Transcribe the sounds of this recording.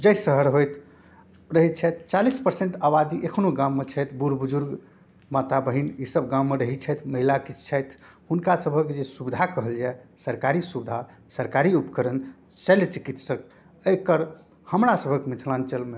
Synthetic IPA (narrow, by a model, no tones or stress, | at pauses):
d͡ʒəjsəɦəɾɦojt̪ʰ | ɾəɦit̪̚t͡ʃʰɛjt̪t͡ʃalispəɾseɳʈabad̪iʔekʰnoɡãmːet͡ʃʰəjt̪ʰbuɾbud͡ʒuɾɡ | mat̪abəɦinisəbɡãmːeɾəɦit̪̚t͡ʃʰɛjt̪ʰməɦilakit͡ʃt͡ʃʰəjt̪ʰhunkasəbʱəkd͡ʒesubid̪ʱakəɦəld͡ʒaesəɾkaɾisubid̪ʱa | səɾkaɾiupəkəɾən | səlt͡ʃikit̪sək̚ | əjkəɾ | həmɾasəbʱəkmit̪ʰlant͡ʃəlme